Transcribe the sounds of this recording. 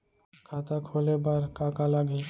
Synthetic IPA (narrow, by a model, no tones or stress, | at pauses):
kʰaːt̪akʰoːlebaɾkaːkalaɡi